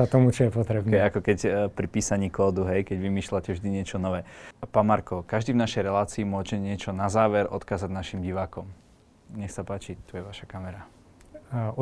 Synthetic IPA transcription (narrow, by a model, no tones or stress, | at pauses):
at̪ɔmut͡ʃɔjɛpɔt̪ɾɛbnɛakɔkɛcpɾipiːsaɲiːkɔːd̪uɦɛjkɛɟʋimiːʃlacɛvʒd̪iɲɪɛt͡ʃɔnɔʋɛːpaːnmaɾkɔkaʒd̪iːvnaʃɛjɾɛlaːt͡siːmʊɔʒɛɲɪɛt͡ʃɔnazaːʋɛɾʔɔ̰t̪kaːzaɟnaʃimɟiʋaːkɔm | ɲɛxsapaːt͡ʃit̪ujɛʋaʃakamɛɾa | u